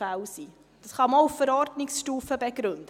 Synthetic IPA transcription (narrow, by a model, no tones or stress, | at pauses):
æwsiː | d̥ɑsχɑmouffəɾɔɾdnɪksʃtuːfəbɛɡ̥ɾɵndə